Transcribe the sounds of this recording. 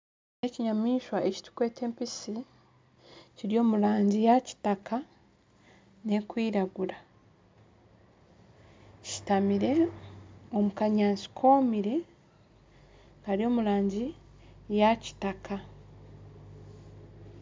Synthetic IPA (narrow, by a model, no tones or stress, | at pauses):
ne̞ciɲamiːʃwaʔe̞ci̥tu̥kweːte̞ːmpisi | ciɾio̞ːmuɾaːɲɟijaci̥taka | ne̞kwiːɾaɡuɾa | ci̥tamiɾe̞ | o̞mukaɲaːnsi̥kʰo̞ːmiɾe̞ | kaɾio̞ːmuɾaːɲɟijaci̥takʰa